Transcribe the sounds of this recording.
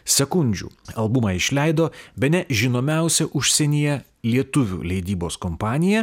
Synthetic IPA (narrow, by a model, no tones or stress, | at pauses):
sʲɛkʊnʲd͡ʒʲṵːɐlˠbʊmɐɪʃʲlʲɛɪd̪oːbʲɛnʲɛʒʲɪnoːmʲɛˑʊsʲɛʔʊʃʲsʲɛnʲijɛ | lʲiɛt̪ʊʋʲṵːlʲɛɪd̪ʲiːboːskɔmpɑːnʲɪjɛ